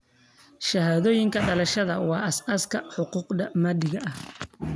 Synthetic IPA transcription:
ʃɐhaːðɔːjɪŋkʰɐɖɐlɐʃɐðɐwɑːʔɐsɐskʰɐħʊquːqd̪ɐmɐdɪɣɐʔɐh

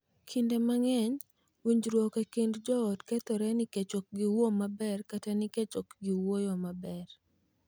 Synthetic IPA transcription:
kʰindemaŋɛɲ | wuɲd͡ʒɾwɔkekindd͡ʒɔːdkɛt̪ɔɾɛniket͡ʃok̚ɡiwomabɛrkatanɪket͡ʃɔkɡiwojɔmabɛr

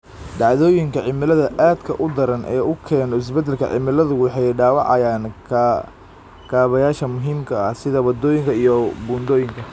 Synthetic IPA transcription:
ɖɑʕðɔːjɪŋkʰɐʕɪmɪlɐðɐʔaːd̪kʰɐʔʊd̪ɐɾɐnʔɛ̰ːʊkʰɛːnɔɪs̬bɐd̪ɛlkʰɐ̰ʕɪ̰mɪlɐðʊwɑħɑjɖaːwɑʕɑjaːn | kʰaːβɐjaːʃɐmʊɦiːmkʰɐɐhsɪðɐwɐd̪ɔːjɪŋkʰɐijɔbuːnd̪ɔːjɪŋkʰɐ

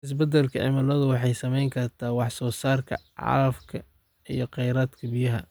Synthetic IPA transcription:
ʔɪs̬bɐd̪ɛlkʰɐʕɪ̰mɐlɐðʊwɑħɑjsɐmɛjŋkʰɐrt̪ʰaːwɑħsɔːsaːrkʰɐ̰ʕɑ̰ɾɐfkʰɐ | ijɞqɛjɾaːd̪kʰɐbɪjɐɦɐ̰

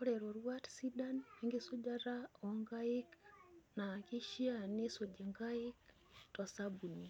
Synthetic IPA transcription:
koɾeɾoɾwatsidaneŋɡesuɟaɾaoŋɡaiknakiʃianesod͡ʒeŋɡaik | tosabuni

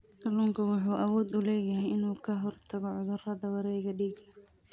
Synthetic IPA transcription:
kʰɐluːŋkʰɐwʊħuːʔɐwɔːd̪ʊlɛːjɐɦɛjɪnuːkʰɐɦɔrt̪ʰɐɣɔʕʊðʊrɐðɐwɐɾɛːɣɐɖiːɡlɐ

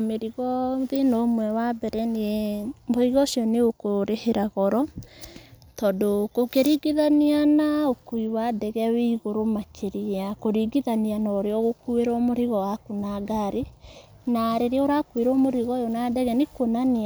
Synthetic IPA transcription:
meɾiɣɔðenɔmwɛwabɛɾɛnemboiɣɔsjɔneokoɾeheɾaɣɔɾɔ | tɔdokokeɾiɡiðanianaokuiwadɛɣɛweiɣoɾomakʰeɾiakoɾiɡiðanianɔoɾeɔɣokueɾɔmoɾiɣɔwakunaɡaɾe | naɾeɾeɔɾakueɾɔmoɾiɣɔjonadɛɣɛnekonanea

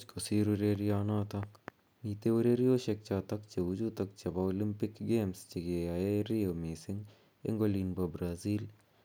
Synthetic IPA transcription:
t͡ʃkosiːɾʊɾeːɾijaːnaːt̪ʰa | miːt̪eʊɾeːɾijoːʃek̚t͡ʃaːt̪ɐkt͡ʃeʊd͡ʒuːt̪ɐkt͡ʃɐbaolɪmpɪkɡeːmst͡ʃeɡeːaːeɾijoːmeːsɪ̃ŋɡ | ɪ̰ŋɡoːliːnbɐbɾaːziːl

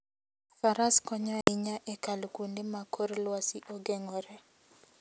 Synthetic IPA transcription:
faɾaskɔɲaɪɲaʔɛkalkundɪmakʰoɾlwasiʔɔɡɛŋɔɾɛ

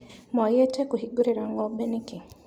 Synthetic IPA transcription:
majɛtɛkuɦiɡuɾiɾaŋɡɔɓɛniki

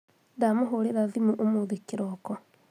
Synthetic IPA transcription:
ndamoɦoɾeɾaðimuʔomoðikiɾɔkɔ

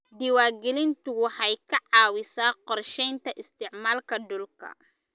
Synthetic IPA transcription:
d̪ɪwaːɡɛlɪnt̪ʊwɑħɑjkʰɐʕɑːwɪsaːqɔrʃɛjnt̪ʰɐʔɪst̪ʰɪʕmaːlkʰɐɖʊlkʰɐ̰

